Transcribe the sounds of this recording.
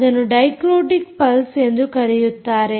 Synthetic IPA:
ðɐnɯɖɐɪkɾoːɖɪk̚pɐlsɛnd̪ɯkɐɾɪjɯt̪ːaːɾe

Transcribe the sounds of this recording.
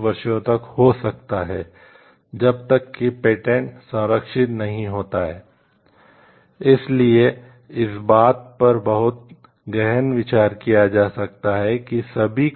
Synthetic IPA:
ʋɐɾʃõt̪ɐkhoːsɐkt̪aɦɛː | d͡ʒɐb̚t̪ɐkːipeːʈẽɳʈsɐ̃ːɾəkʃɪt̪nɐɦĩɦoːt̪aɦɛː | ɪslie | ɪsbaːt̪̚pɐɾbɐɦʊt̪̚ | ɡɛɦənʋɪt͡ʃaːɾkijad͡ʒaːsɐk̚t̪aɦɛkisɐbʱi

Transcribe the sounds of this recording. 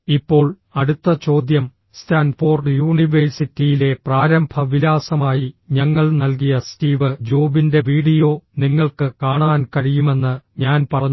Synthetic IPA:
ipːo̞ːɭ | ɐɽut̪ːɐt͡ɕo̞ːd̪jɐm | staːnfo̞ːrɖjuːɳiʋersitːijile̞praːɾɐmbʱɐʋilaːsɐmaːjiɲɐŋːɐɭnɐlk̬ijɐstiːʋɨd͡ʑoːbinde̞ʋiːɽijo̞ːniŋːɐɭkɨkaːɳaːnkɐɻijume̞nːɨɲaːnpɐrɐɲː

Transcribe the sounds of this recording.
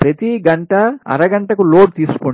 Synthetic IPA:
pɾɐt̪iɡɐɳʈɐɐ̰ɾɐɡɐɳʈɐkuloːɖ̚t̪iːsu̥ko

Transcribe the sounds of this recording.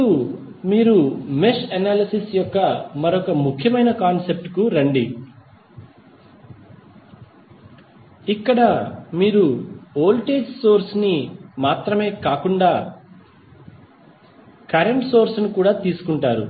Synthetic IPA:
u | miːɾumeʂɐnaːlɐsisjɔkːɐmɐɾɔkɐmukʰjɐmɐjnɐkaːnse̞p̚ʈkuɾɐɳɖi | ikːɐɽɐmiːɾuoːlʈe̞ːd͡ʒso̞ːɾsnimaːt̪ɾɐme̞ːkaːkuɳɖaː | kɐɾeɳʈso̞ːɾsnukuːɽaːt̪iːsu̥kuɳʈaːɾṵ

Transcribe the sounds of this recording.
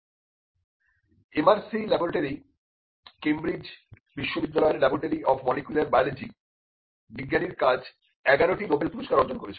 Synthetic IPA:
emaɾsilɛboɾeʈaɾi | kemɾid͡ʑ | biʃːobid̪ːalɔeɾlɛboɾeʈaɾiɔfmɔlikulaɾbaled͡ʑi | biɡːaniɾkad͡ʑ | ɛɡaɾoʈimobajlpuɾoʃkaɾɔd͡ʑonkoɾet͡ɕʰe

